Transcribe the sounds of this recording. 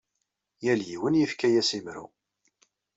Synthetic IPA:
jæljiwənjəfkæjæsimɾṵ

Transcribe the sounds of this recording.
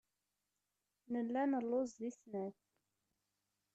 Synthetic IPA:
nəlːænəlːozðisnæθ

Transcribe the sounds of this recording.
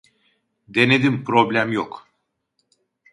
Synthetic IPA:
d̪e̞ned̪impʰɾo̞blʲæmjok

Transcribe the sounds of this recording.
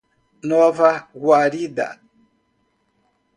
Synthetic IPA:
nɔvaɣwaɾida̰

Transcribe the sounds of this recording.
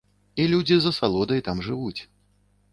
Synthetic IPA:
ilʲud͡zʲizɐsalˠɔd̪ɐjt̪amʐɨvut͡sʲ

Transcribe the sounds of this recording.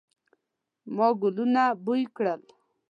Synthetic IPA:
mɔɡʊlunabujkɽəl

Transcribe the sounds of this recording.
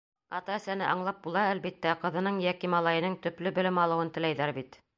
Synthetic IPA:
ɑt̪ɑæ̆sænɘʔɑɴlˠɑp̚bulˠɑælβit̪ːæqɤ̆ðɤ̆nɤɴjækimɑlˠɑjɤ̆nɤŋt̪ɵ̆plɘbɘ̆lɘmɑlˠɤ̆wɤnt̪ɘ̆læjðæɾbit̪

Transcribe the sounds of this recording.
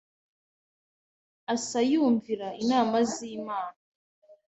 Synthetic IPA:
asajuːɱviɾainaːmaziːmaːna

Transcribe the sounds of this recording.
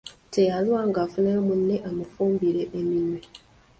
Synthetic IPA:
tʰe̞jalwaŋɡaːfuneɾmunːe̞ʔamufuːmbiɾe̞ʔːminwe

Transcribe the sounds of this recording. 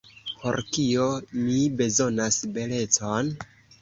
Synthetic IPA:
po̞̰ɾkio̞mibe̞zo̞nasbe̞le̞t͡son

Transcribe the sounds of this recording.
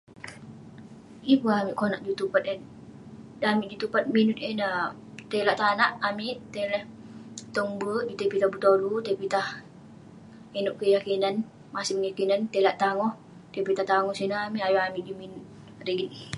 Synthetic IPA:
ipəamiʔkonaʔd͡ʒut̪upat̪e | amiʔd͡ʒut̪upat̪̚minut̪̚ena | t̪elaʔt̪anaʔamiʔt̪elɛht̪ɔŋbəd͡ʒut̪epit̪ahbut̪olut̪epit̪ah | enuʔkəjakinan | masiməŋjakinant̪elaʔt̪aŋɔh | t̪epit̪aht̪aŋɔsinaamiʔajɔamiʔd͡ʒuminʊt̪̚ | rəɡit̪̚

